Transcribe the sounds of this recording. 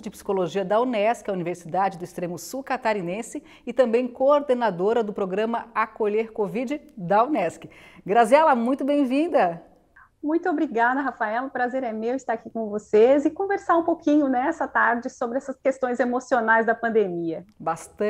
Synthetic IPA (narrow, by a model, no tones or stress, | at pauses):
d͡ʒɪpsi̥koloʒiɐd̪ɐwnɛskɪɐuniveɾsid̪ad͡ʒɪd̪ʊist̪ɾẽmʊsukat̪aɾinẽsɪ | ɪt̪ɐ̃mbẽj̃koɾd̪enad̪oɾɐd̪ʊpɾoɡɾɐ̃mɐakoʎeɾkovid͡ʒɪd̪aonɛskɪ̥ | ɡɾaziɛlɐmũj̃t̪ʊbẽj̃vĩnd̪ɐ | mũj̃t̪ʊobɾiɡad̪ɐɦafaɛlʊpɾazeɾɛmewɪst̪aɾakikõvosezɪkõveɾsaɾũpokĩɲʊnɛɛsɐt̪aɾd͡ʒɪsobɾɪɛsɐskest̪õj̃zemosionajzd̪ɐpɐ̃nd̪emiɐbast̪ɐ̃